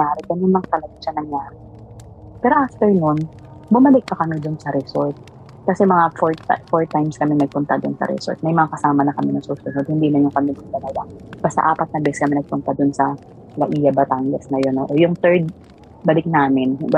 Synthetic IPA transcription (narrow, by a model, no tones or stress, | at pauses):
aːɾɛɡɐnːʊnmɐŋat̪ɐlɐɡat͡ʃanɐŋjaːɾɛ | pɛːɾoʔaft̪ɛɹnon | bʊmɐlɪk̚pɐkɐmɪd̪ʊnsɐɾɛsoɹt̪̚ | kɐsɛmɐŋafoɹfoɹt̪ajmskɐmɪnɐɡ̚pʊnt̪ad̪ʊnsɐ̰ɾɛ̰so̰ɹt̪̚mɛjmɐŋakɐsaːmɐnɐkɐmɛnɐŋsust̪ɐnsod̪hɪnd̪imɐnoŋkɐmɪmɐɡ̚t̪ɐlɐɡa̰b̥aːst̪a̰ʔaːpɐt̪̚nɐbɛsskɐmɛnɐɡ̚pʊnt̪ad̪ʊnsɐ | lɐʔiːjɐbɐt̪aŋɡɐsnɐjonoʔojʊŋt̪ɛɹd̪̚ | bɐlɪk̚naːmɪn